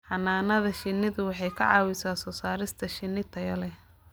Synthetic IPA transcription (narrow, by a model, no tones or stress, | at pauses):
ħɑnaːnɐðɐʃɪnːɪðʊwɑħɑjkʰɐ̰ʕɑ̰ːwɪsaːsɔːsaːɾɪst̪ʰɐʃɪnːɪt̪ʰɐjɐlɛ